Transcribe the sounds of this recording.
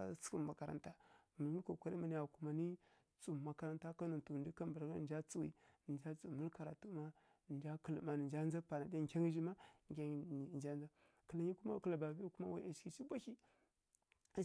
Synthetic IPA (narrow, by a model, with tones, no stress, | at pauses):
t͡sku˦ma˨ka˨ɾa̰˨nta˦mə˨˦i˦ko˨kʷa˦ɾi˦ma˨ni˨a˨ku˨ma˨ni˦ | t͡su˨ma˨ka˨ɾa˦nta˦ka˦nu˨tu˨ndi˦ka˦mbə˨ɾɡa˦˨nd͡ʒa˦t͡su˦wḭ˨nd͡ʒa˦t͡su˨mə˦lka˨ɾa˨tu˦ma˦˨ | nd͡ʒa˦kə˨lma˨ni˨nd͡ʒa˦n˦a˦pa˨na˨da˦˨kʲa˦ŋi˦ʒi˦ma˦ŋ˨kʲa˦˨nd͡ʒa˦nd͡za˦ | kə˨la˨ɲi˦ku˦ma̰˦kə˦˨la˨ba˨bi˦ku˦ma̰˦wa̰˦a˨ʃki˨t͡ʃi˦bʷa˦ki˦˨